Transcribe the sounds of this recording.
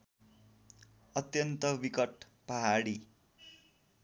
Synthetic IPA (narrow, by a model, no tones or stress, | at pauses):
ʌt̪jʌnt̪ʌʋikʌʈ | paɦaɽi